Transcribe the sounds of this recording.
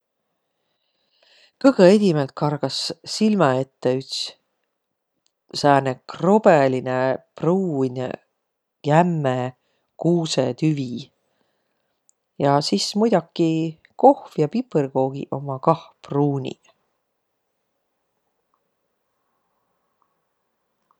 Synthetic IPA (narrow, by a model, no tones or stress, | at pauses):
kɤɡ̥ɤed̪̥ʲimelt̪̚kɑrɡ̥ɑsːilmɑe̞t̪ːeyt̪s | sæːnekro̞b̥elinepruːnʲḛ | jæmːe | kuːset̪yvi | jɑsismujd̪ɑkːˑi | ko̞hfjɑpiprɡ̥o̞ːɡ̥ḭʔo̞mɑkɑhpruːnʲḭ